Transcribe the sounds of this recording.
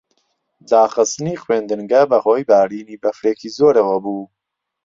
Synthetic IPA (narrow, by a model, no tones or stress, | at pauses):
d̪aːχɨst̪niːxweːnd̪ɨŋɡɐbɐhoːjbaːɾiːniːbɐfɾeːkʰiːzoːɾɐwɐbuː